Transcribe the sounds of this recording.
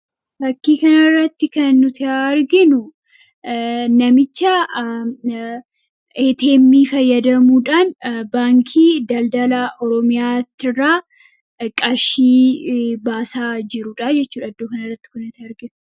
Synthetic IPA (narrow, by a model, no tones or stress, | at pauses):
bɐkːiːkɐnɐrːɐt̪ːɪkɐnːʊt̪ɪaɾɡɪnʊ | nɐmɪt͡ʃːɐ | et̪e̞ːmːifɐjːɐd̪ɐmuːᶑaːnbaːŋkʰiːd̪ɐld̪ɐlaʔɔɾɔmɪjaːt̪ːɪrːaː | kʼɐʃiːbaːsaːd͡ʒɪɾuːᶑad͡ʒɛt͡ʃːuːᶑɐd̪ːoːkɐnɐrːɐt̪ːɪ̥kʊnːʊt̪ɪɐɾɡɪnʊ